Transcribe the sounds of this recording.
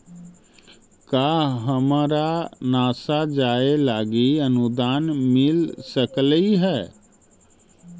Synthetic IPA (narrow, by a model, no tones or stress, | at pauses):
kaːɦəmaːɾanaːsad͡ʒaːelaːɡiənud̪aːnmɪlsəkliɦɛː